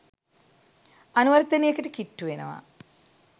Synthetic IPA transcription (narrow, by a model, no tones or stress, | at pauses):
ɐnuʋɐɾt̪ːɐnijekːɐʈikiʈːuʋenɐ̰ʋa̰